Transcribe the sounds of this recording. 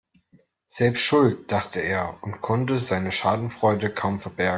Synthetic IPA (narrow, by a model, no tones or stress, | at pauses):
z̥ɛlpstʃʊlt̚d̥aχtʰəeːɐʊntkʰɔntəzaɪnəʃaːdn̩fʁ̥ɔʏdəkʰaʊmfɛɐbɛɐɡ